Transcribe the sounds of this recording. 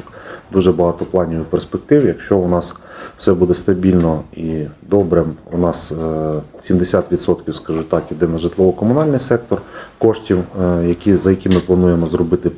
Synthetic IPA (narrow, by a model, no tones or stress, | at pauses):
d̪uʒɛbɐɦɑt̪ɔplˠɑnʲiʋɪperspek̚t̪ɪwjɐkʃt͡ʃɔʊnɑsw̥sɛbud̪ɛst̪ɐbʲilʲnɔid̪ɔbɾɪmunɑs | sʲimd̪esʲat̪ʋʲid̪sɔt̪kʲiwskɐʒut̪ɑkjid̪ɪnɐʒɪt̪lˠɔʋɔkɔmʊnɑlʲnɪjsɛk̚t̪ɔrkɔʃtʲiwjɐkʲizɐjɐkʲimɪplˠɐnujemɔzrɔbɪt̪ɪ